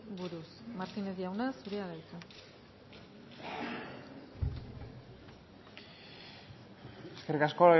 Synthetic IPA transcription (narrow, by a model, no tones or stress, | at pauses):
buɾusmaɾt̪inezðiawnasuɾeaðajt͡sa | eskerikasko